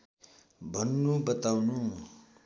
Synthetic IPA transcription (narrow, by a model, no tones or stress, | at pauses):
bʱʌnːubʌt̪awnu